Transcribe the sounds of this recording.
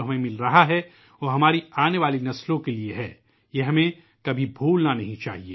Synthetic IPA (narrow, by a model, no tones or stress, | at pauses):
ɦɐmẽmɪlɾɐɦaɦɛ | oːɦɐmaːɾiaːneʋaːlinɐslõkelieɦɛː | jeɦɐmẽ | kɐbʱibʱuːlnanɐɦĩt͡ʃa̰ːɦieː